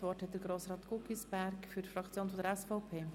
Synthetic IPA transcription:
vɔthɛt̪̚d̥̪əɾɡɾoːsɾɑːt̪kukisb̥æɾkfyɾtfɾɑkt͡sjoːnfɔdəɾɛsfɔʊpʰeː

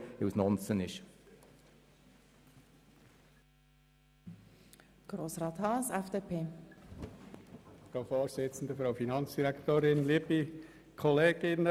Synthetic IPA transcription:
ɪwsnɔnsənɪʃ | ɡ̥roːsrɑːt̪hɑsɛfd̥epʰeː | fɾoʊfoːɾzɪt͡sn̩d̪əfɾoʊfinɑnt͡sd̥iɾækt̪oːɾɪnliːbi | kʰɔleːɡ̥ɪnə

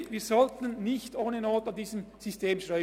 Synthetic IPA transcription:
ʋiːzɔltən̩nɪçtoːnənoːtandiːzəmz̥ystʰeːmʃɾœʏ

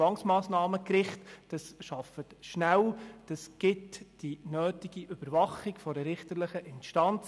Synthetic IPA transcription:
ɑŋsmɑːsnɑːməkɾɪχtd̥ɑsʃɑfətʃnæwd̥ɑsɡ̥ɪtd̥inøːtiɡ̥iʔʏb̥əɾvɑχɪɡ̥fɔɾəɾɪχtəɾləχəʔɪnʃtɑnt͡s

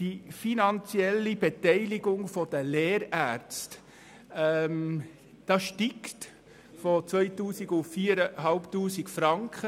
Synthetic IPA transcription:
d̥ifinɑnt͡siɛlibɛtɛɪliɡʊŋfɔd̥̪əleːɾæɾt͡st | ɛm | d̥ɑʃtikt | fɔt͡sʋœjtuːsiɡʊfiːɾəɦɑlptuːsikfɾɑŋkχə

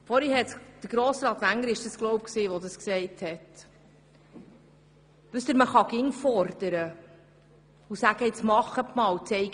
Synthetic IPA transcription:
fɔɾhihɛtd̥əɾɡɾoːsɾɑːt̪ʋæŋəɾɪʃd̥əsklɔwp̚ksiːʋɔd̪əsksɛɪthɛt | ʋʉst̪ɪɾməχɑɡɪŋfɔɾd̥əɾə | usæɡ̥əɪt͡smɑχətmɑːwt͡sɛɪɡ

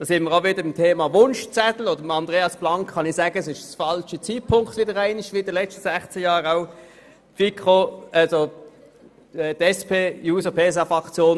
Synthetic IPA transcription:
d̥ɑːsɪnməʁaʊʋɪdəɪmtʰeːmɑʋʊnʃt͡sɛt̪l̩odəmɑndʁeːɑsb̥lɑŋkχɑnɪsæːɡ̥əsɪʃsfɑlʃət͡siːt̚pʰʊŋktʋɪdəʁæɪnɪʃʋiɪd̥əlɛstəsæχt͡səjɑːʁaʊ | fikʁoɑso | ɛtɛspʰeːjuːsəpʰeːs̬ɑfʁɑkt͡sjoːn

